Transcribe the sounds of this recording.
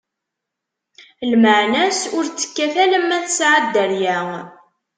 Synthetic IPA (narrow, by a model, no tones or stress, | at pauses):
lməʕnæsʊɾt͡sːə̥kːæθæləmːæθəsʕad̪ːəɾjæ